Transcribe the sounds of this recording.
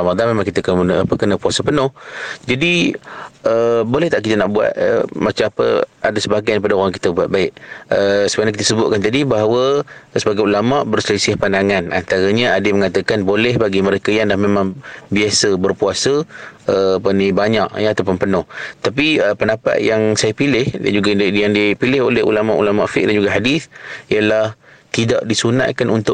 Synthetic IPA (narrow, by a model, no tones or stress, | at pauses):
amad̪amemaŋkit̪əkəənʔapəkənəpuasəpənʊhd͡ʒadi | əbolɛht̪aʔkit̪ənaʔbua̰t̪̚ə̰mat͡ʃamapə̰a̰dasəbaɡajnip̬adaoɣaŋki̥t̪əbuat̪̚baɪʔəsəbənakit̪əsəbʊʔ̪̚kant̪adibaɦawəsəbaɡajulamaʔbərsələsiahpandaŋana̰nt̪aɾəɲəadəməŋat̪əkanbolɛhbaɡiməɾekajaŋlahmemãŋbiasəbərpuasəəːpənibaɲaʔjəat̪awpʊnpənʊht̪ap̬iəpənapa̰ʔ̪̚jaŋsajapilɪhda̰d͡ʒuɡajaŋdipilɪɦo̰lɛhṵlamaʔṵlama̰ʔfɪ̰ʔ̚dand͡ʒuɡaɦadiθijalah | t̪idaʔdisuna̰t̪̚kanunt̪ʊʔ